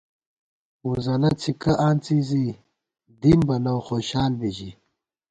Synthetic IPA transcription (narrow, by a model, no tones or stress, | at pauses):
uzɐlɐt͡sʰikɐʔaːnt͡sizi | d̪imbɐnɐwxoːɕaːlbiʑi